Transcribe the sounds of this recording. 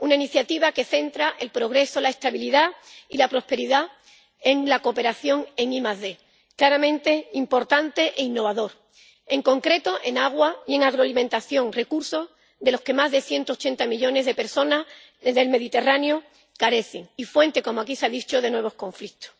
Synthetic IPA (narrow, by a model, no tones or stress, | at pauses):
unainiθjat̪iβake̞θe̞nt̪ɾaʔe̞lpɾo̞ɣ̞ɾe̞so̞lae̞st̪aβiliðailapɾo̞spe̞ɾiða | e̞ŋlako̞pe̞ɾaθjo̞ŋe̞ŋimazðe̞ | klaɾamẽ̞nt̪e̞impo̞ɾt̪ant̪e̞ʔeinːo̞βaðo̞ɾ | e̞ŋko̞ŋkɾe̞t̪o̞ʔe̞naɣ̞waie̞ŋaɣɾoalimẽ̞nt̪aθjo̞ŋre̞kuɾso̞s | ðe̞lo̞ske̞mazðe̞θje̞nt̪ot͡ʃe̞nt̪amiʎo̞ne̞zðe̞pe̞ɾso̞nas | ðeðe̞lme̞ðit̪e̞ranjo | kaɾe̞θeŋifwe̞nt̪e̞ko̞moakiseaðit͡ʃoð̞e̞nwe̞βo̞skõ̞ɱflikt̪o̥s